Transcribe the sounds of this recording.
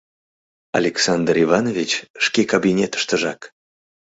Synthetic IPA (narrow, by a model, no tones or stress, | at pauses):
a̰lʲeksand̪rivɑnovʲit͡ɕʂkʲekabʲinʲet̪ə̥ʃt̪əʒɑk